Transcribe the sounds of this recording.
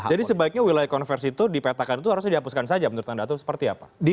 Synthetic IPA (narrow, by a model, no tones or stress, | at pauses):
d͡ʒadisəbaɪk̚ɲawilajakɔnfɛrsit̪udipet̪akanit̪uhaɾus̬ɲadiɦapuskansad͡ʒamənuɾut̪andat̪usə̥pərt̪iapadi